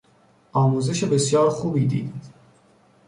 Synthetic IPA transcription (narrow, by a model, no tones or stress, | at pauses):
ʔɒːmuːze̞ʃebe̞sjɒːɾxuːbiːd̪ḭːd̪id̪